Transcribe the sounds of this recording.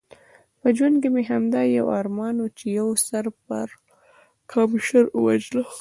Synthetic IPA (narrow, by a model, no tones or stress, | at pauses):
pəd͡ʒwank̬emeɦamd̪ɑjawɑɾmɑnot͡ʃejawsaɾpə̰ɾ | kʰɑmʃaɾwa̰d͡ʒla